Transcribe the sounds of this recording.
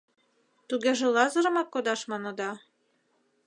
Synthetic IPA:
t̪uɣeʒĕlˠɑzɤ̆ɾɤ̆mɑkːod̪ɑʃmɑnɤ̆d̪ɑ

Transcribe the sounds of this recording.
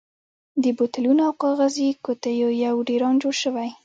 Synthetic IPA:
d̪əbot̪alunoawqɑɣazikot̪ajojawɖeɾɑnd͡ʒoɽʃəwaj

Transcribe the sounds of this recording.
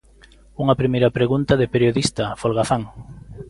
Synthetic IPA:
uŋɐpɾimejɾɐpɾeɣunt̪ɐðɪpeɾjoðist̪ɐfolɣaθaŋ

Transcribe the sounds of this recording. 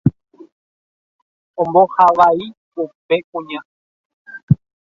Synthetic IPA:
õmbohaʋaipupe̞kũɲã

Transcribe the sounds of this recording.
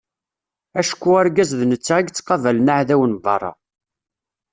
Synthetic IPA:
æʃkːuæɾɡæzðnət͡sːaiɡt͡sːqɑvælnaʕðæwənvɑrˤːɑ̰

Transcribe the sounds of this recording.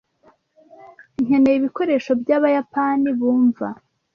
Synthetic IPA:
iɲ̥enejiβiko̞ɾe̞ʃo̞bjaːβajapaniβuːɱva

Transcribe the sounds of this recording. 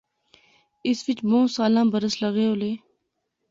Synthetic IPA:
ɪsʋɪt͡ʃbõːsaːlãːbəɾəsləɣeːoleː

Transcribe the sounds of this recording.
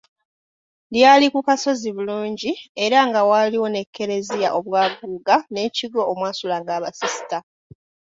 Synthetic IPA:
ljaːlikukaso̞ziβuluːɲɟie̞ɾaŋɡawaliwo̞ne̞kʰːe̞ɾe̞zijaʔo̞βwaːɡuːɡane̞ciɡo̞ːmwaːsulaŋɡaːβasisi̥ta

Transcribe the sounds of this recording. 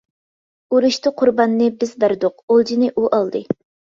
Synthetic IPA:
uɾuʃt̪ʰɨqʰʊɾbɑnːɨbɪzbæɾd̪ʊq̚olˠd͡ʒinɨʔuʔɑlˠd̪ɨ

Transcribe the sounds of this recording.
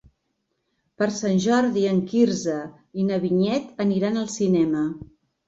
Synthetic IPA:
pəɾsanʲʒɔɾðiəŋkiɾzə | inəβiɲɛt̪əniɾanəlˠsinɛmə

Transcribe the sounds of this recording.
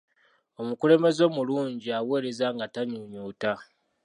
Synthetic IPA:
o̞mukule̞me̞zo̞ːmuluːɲɟiawe̞ːɾe̞zaŋɡataɲuɲuːta

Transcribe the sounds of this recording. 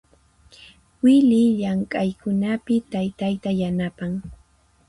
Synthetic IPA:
wɪlɪʎaŋkʼajkʊnapɪt̪ajt̪ajt̪ajanapaŋ

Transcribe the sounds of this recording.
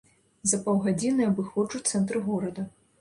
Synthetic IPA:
zɐpawɣad͡zʲinɨɐbɨxɔd͡ʐut̪sɛnt̪ɾɨɣɔɾɐd̪ɐ

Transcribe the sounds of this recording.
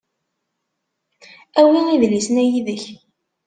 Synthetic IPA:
æwiiðlisnæjiðəç

